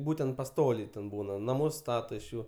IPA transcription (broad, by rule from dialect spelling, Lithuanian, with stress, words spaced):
ˈbuːtʲɛnt pɐˈstoːlʲɛɪ tʲɛn ˈbuːnɐ nɐˈmʊs ˈstɑːtoː ɪʃ ˈjuː